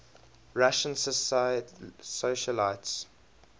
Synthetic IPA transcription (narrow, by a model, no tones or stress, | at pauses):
ɹaʃə̃nsəs | soʃəlaɪts